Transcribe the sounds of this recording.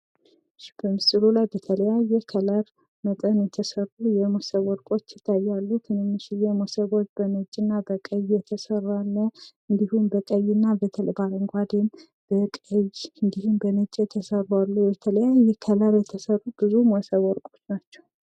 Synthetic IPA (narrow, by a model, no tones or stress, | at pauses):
ʃb̥əmɨsʼɨlulajbət̪ʰələjajːɛkʰələɾ | mət̪ʼənjɛt̪ʰəsərːujɛmosəβwɔɾkʼo̞t͡ʃːjɪt̪ʰːajːalːut̪ʰɨnɨmːɨʃijɛmosəβo̞t͡ʃːbənɨt͡ʃʼːɨnːabəkʼəjjɛt̪ʰəsərːalːə | ɨnd̪ihumbəkʼəjːɪnːabət̪ʰəlbaləŋɡʷad̪en | b̥əkʼəjɨnd̪ihumbəmɨt͡ʃʼːt̪ʰəsəralːubɛt̪ʰələjajɛkʰələɾjɛt̪ʰəsərːubɨzumosəβwɔɾkʼo̞t͡ʃːnat͡ʃːɛ̥w